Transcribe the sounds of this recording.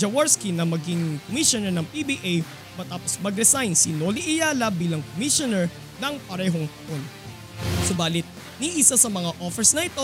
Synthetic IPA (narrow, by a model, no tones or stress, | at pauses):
d͡ʒɐwaɹskinɐmɐɡiŋkomiʃonɛɹnɐŋpibiːʔej | mɐt̪aːposmɐɡɾɛsajnsɪnoːliʔɪjaːlɐbiːlɐŋkomiʃonɛɹ | nɐŋpɐɾɛːɦo̞ŋt̪ɐʔo̞n | sobaːlɪt̪̚ | niʔɪsasɐmɐŋaʔofɛɹsnɐʔɪt̪o̞